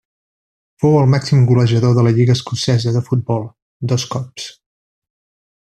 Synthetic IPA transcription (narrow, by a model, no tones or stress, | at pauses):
fowəlˠmaksimɡuləʒəðoðələʎiɣəːskusɛzəðəfut̪̚bɔlˠ | d̪ɔskɔps